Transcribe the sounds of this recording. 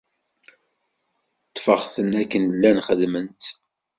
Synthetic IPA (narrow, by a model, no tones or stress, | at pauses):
t̪ːfəʁθənækːənlːænχəðmənt̪